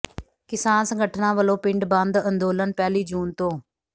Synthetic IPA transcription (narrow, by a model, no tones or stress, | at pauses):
kɪsaːnsəŋɡəʈʰnãːʋəlõːpɪ̃ɳɖbə̃nd̪ə̃nd̪oːlənpɛːliːd͡ʒuːnt̪õː